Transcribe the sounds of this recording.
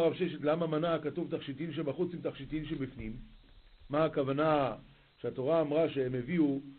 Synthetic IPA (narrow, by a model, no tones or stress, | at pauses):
ʁavʃeʃet̪lamamanakatuvt̪aχʃit̪imʃ̬ebaχut͡simt̪aχʃit̪imʃebifnimː | aːkavana | ʃeat̪o̞ʁaːmʁaʃeemeviu